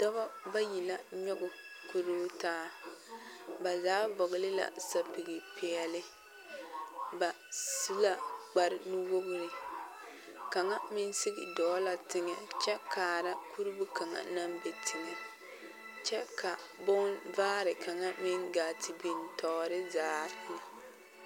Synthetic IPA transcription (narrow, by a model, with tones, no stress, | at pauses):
d̥ɔ˦ba˦ba˦ji˨la˦ɲɔ˦ɡʊ˨ku˦ɾu˦taː˦ | ba˨zaː˨˦vɔ˨ɡɪ˨lɪ˦la̰˨sa˨pi˨ɡɪ˨pʰɪ˨ɛ˨lɪ˦ | ba˨ | si˦la˦ɡ͡ba˨ɾɪ˦nu˦wo˦bʊ˦ | ka˨ŋa˦mɪ˦nsɪ˦ɡɪ̰˨dɔː˨˦la˨tɪ˦ŋɛ˨t͡ʃɛ˦kaː˨ɾa˦ku˦ɾu˦bu˦ka˨ŋa̰˨na˦mbɛ˨tʰɪ˨ŋɛ˨ | t͡ʃɛ˦kʰa˨ | bɔ˦nvaː˦ɾɪ˨ka˨ŋa˦mɪ˦ŋɡaː˨tʰi˨bi˨ntʰɔː˨ɾɪ˦zaː˨˦nɪ˨